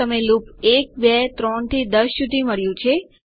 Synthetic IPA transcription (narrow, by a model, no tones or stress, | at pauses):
əmelupek̚bɛt̪ɾɔɳt̪ʰid̪əsːud̪ʱiməɭjũt͡ʃʰe